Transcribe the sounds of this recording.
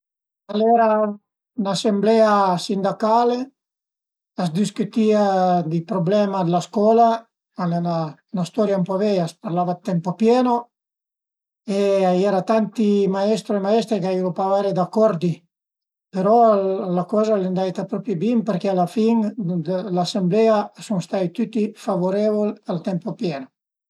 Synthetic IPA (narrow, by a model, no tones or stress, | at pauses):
alɛɾa | nasemblɛasind̪akaːle | asd̪iskyt̪iːad̪ipɾoblɛmad̪laskɔːla | alnanast̪ɔɾjaumpɔbɛaspaɾlavad̪t̪ːɛmpopjɛːno | eajɛɾat̪ant̪imaɛst̪ɾoemaɛst̪ɾekaiɾopavaɾed̪akːɔɾd̪i | peɾɔlakɔːzalend̪ajt̪apɾɔpɾjibimpeɾkealafiŋ | lasemblɛasuŋst̪ajt̪yt̪ːifavoɾɛvolalt̪ɛmpopjɛno